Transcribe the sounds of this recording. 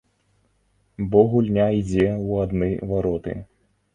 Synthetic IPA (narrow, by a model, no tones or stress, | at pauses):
bɔɣulʲnʲaid͡zʲɛwad̪nɨjvaɾɔt̪ɨ̰